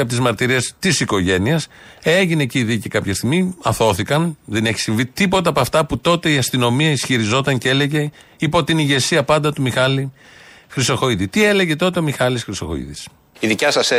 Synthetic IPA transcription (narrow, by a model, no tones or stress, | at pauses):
ɐpot̪izmɐɾt̪iɾiest̪isiko̞ʝe̞niɐse̞ʝineciðicikɐpçɐst̪iɣmiɐθo̞θikɐnðe̞ne̞çi̥siɱvit̪ipo̞t̪ɐpoɐft̪ɐput̪o̞t̪e̞iɐst̪ino̞miɐisçiɾizo̞t̪ɐŋcee̞le̞ʝe̞ | ipo̞t̪iniʝe̞siɐpɐnd̪ɐt̪umixɐli | xɾist̪oxo̞iðit̪ie̞le̞ʝe̞t̪o̞t̪e̞o̞mixɐlisxɾist̪oxo̞̰ḭðis | iðicɐsɐse